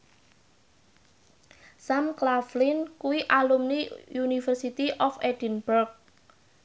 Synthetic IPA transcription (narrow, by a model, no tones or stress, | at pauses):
samklaflinkuwiʔalumnijunifərsit̪iʔɔfed̥inburk̚